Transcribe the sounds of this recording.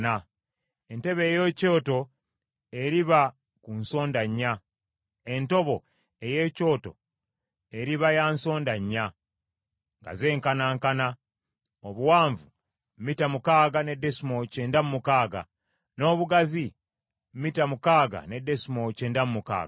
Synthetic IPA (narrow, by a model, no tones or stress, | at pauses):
na | e̞nte̞βe̞ːjo̞co̞ːto̞ | e̞ɾiβa | kunso̞ːndaɲːa | e̞nto̞βo̞ | e̞je̞ːco̞ːto̞̰ | eɾiβajaːnso̞ːndaɲːa | ŋɡa̰ze̞ːŋkanaːŋkana | oβuwaːɱvu | mmitamukaːɡane̞dːe̞simo̞ceːndamumukaːɡa̰ | no̞ːβuɡazi | mmitamukaːɡa̰ne̞de̞simo̞ceːndamumuka̰ːɡa